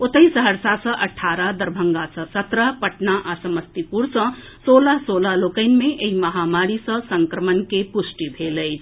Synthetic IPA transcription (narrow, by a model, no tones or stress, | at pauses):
ot̪əjsəɦəɾsasʌ̃ʔəʈʰaɾad̪əɾbʱəŋɡasʌ̃sət̪ɾəpəʈnaʔasəməst̪ipuɾsʌ̃ | solasolalokəɪnmeʔeiməɦamaɾisʌ̃səŋkɾəmənkepusʈibʱeləjt͡ʃʰ